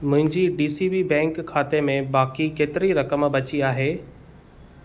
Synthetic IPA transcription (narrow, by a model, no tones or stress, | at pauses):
mʊ̃ɦɪ̃ɲd͡ʑiɖiːsibibɛ̃ːŋkʰːaːt̪emẽbaːkikeːt̪ɪɾiɾɐkəmbɐt͡ɕiaːɦeː